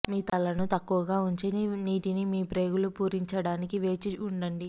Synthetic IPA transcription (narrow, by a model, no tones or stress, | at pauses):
miːt̪ɐlɐnut̪ɐkːuʋɐɡaːuɲt͡ʃininiːʈinimiːpɾe̞ːɡulupuːɾiɲt͡ʃɐɽaːnikiʋe̞ːt͡ʃiuɳɖɐɳɖi